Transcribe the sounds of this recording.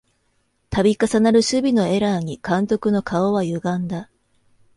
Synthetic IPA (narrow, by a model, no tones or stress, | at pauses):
t̪abʲikasanaɾɯ̟ɕɨbʲino̞e̞ɾaɲ̟ikãnt̪o̞kɯ̟no̞kʰaoβajɯ̟ɡãnd̪a